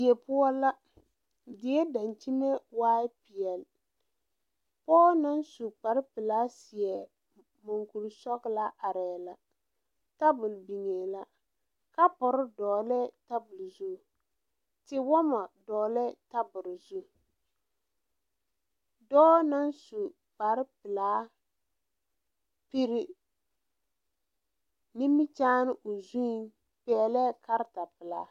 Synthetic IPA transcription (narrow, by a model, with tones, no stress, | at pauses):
ɛ˨pʊ˦ɔ˦la˦ | dɪ˨˦ɛ˦da˨nt͡ʃi˦ne˦waː˦ɪ˦pɪ˨ɛ˨l | pɔː˦na˦nsu˨k͡pa˨ɾɪ˦pɪ˨la˦si˨ɛ˨ | mʊ˨ŋku˨ɾsɔ˦ɡla˦ʔa˨ɾɛ˨la˨ | ta˦bʊ˨lbi˨ŋe˨la˦ | ka˦pɔ˨ɾɪ˦dɔː˨lɛ˦ta˦bʊ˨lzu˦˨ | tɪ˦wɔ˦ma˨dɔː˨lɛ˦ta˦bʊ˨ɾzu˦˨ | dɔː˦na˦nsu˨ | ba˨ɾɪ˦pɪ˨laː˦ | pi˦ɾɪ˦ | nɪ˦mɪ˦t͡ʃaː˦nɪ˦ʔʊ˨zu˦ | pɛ˨lɛ˦ka˦ɾta˨pɪ˨laː˨˦